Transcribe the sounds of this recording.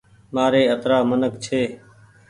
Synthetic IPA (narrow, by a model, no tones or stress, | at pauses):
maːɾeːət̪ɾaːmənəkt͡ʃʰeː